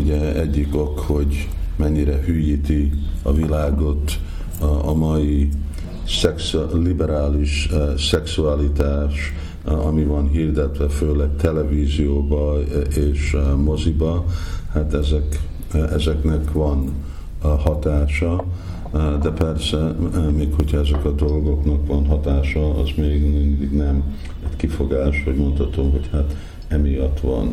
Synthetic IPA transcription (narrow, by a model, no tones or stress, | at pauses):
uɟɛɛɟːiko̞kho̞ɟmɛɲːiɾɛhyːjiːt̪iɒvilaːɡo̞t̪ | ɒmɒji | sɛkslibɛɾaːliʃsɛksualit̪aːʃ | ɒmivɒnɦiːrd̪ɛt̪ʋɛføːlɛɡ̚t̪ʰɛlɛviːzijoːbɒeːʃmo̞zibɒhat̪ɛzɛk | ɛzɛknɛkʋɒn | hɒt̪aːʃɒ | d̪ɛpɛrsɛmeːkho̞chɒɛzɛkɒd̪o̞lɡo̞knɒkʋɒnɦɒt̪aːʃɒɒ̰zmeːɡmind̪iɡnɛm | ɛɟkifo̞ɡaːʃho̞ɟmo̞nt̪hɒt̪omɦo̞chat̪ | ɛmijɒt̪ʋɒ̰n